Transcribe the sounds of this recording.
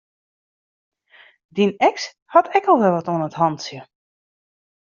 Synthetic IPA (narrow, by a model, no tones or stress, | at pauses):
dinɛks | hɔtʰɛkɔlˠʋɛlˠʋɔtoənəthɔntsjə